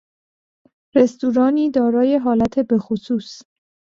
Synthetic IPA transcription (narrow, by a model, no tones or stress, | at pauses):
ɾe̞st̪uːɾɒːniːd̪ɒːɾɒːje̞ɦɒːlæt̪ʰe̞be̞xosuːs